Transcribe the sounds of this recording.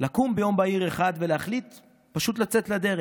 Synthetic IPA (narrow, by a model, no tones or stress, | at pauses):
lakumbejo̞mbaiʁeχad̪veleaχlit̪ | paʃut̪lat͡set̪lad̪e̞ʁe